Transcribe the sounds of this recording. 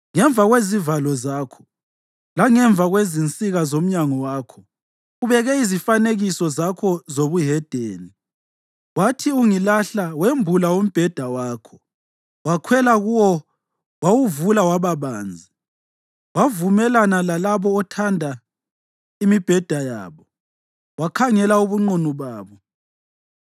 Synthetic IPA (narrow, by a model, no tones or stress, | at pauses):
ŋɛɱbvʱaɣwezivalɔzaːkʰɔ̥ | laŋɛɱvʱaɣwezint͡sʼiɣazom̩ɲaŋɔwaːkʰɔ | uβɛɣɛizifaneɣisɔzakʰɔzoβuɦɛd̥ʱeːni | watʰiuŋilaɬawembʱulaum̩b̥ʱɛd̥ʱawaːkʰɔ̥ | wakʰwɛlaɣuwɔ | wawuvulawaβaβaːnd͡zʱi | wavumɛlanalalaβɔːtʰandʱa | imib̥ʱɛd̥ʱajaːβɔ | wakʰaŋɛlauβuŋ͡ǃunuβaːβɔ